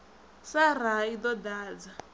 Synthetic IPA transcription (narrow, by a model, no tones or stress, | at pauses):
saraid̪ɔdaːd͡za